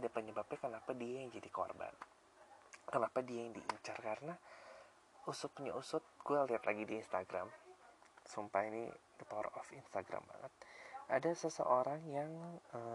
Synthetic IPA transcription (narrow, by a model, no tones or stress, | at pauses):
dapəɲəbap̚ɲakənapadiajaŋd͡ʒadiko̰rba̰n | kənapadiajaŋdiʔut͡ʃarkaɾəna | usʊt̪̚ɲausʊt̪̚ɡ̥ualiat̪laɡidiːnst̪aɡɾam | sumpainḭdip̪ɔrɔfinst̪aɡɾa̰mba̰ŋə̰t̪̚ʔadasəsə̰ʔoɾaŋjaŋə